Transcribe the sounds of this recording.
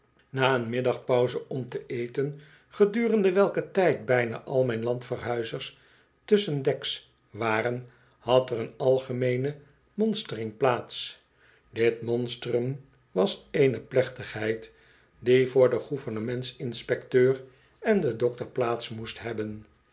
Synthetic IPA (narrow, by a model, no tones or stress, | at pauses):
naːənmɪdɑχpɔwzəʔɔmtəʔejtən | χədyːrəndəʋɛlˠkətɛjt̚bɛjna̰ːʔɑlˠmɛjnlɑntfərɦœɥzəɹs | tɵsəndɛks | ʋaːrən | hɑtərənɑlˠχəmejnə | mɔnstərɪŋplaːts | dɪtmɔnstərəm | ʋɑsejnəplɛχtəχɦɛjt | divʊːɹdəχuvəɹnəmɛntsɪnspɛktøːr | ɛndədɔk̚təɹplaːtsmustɦɛbən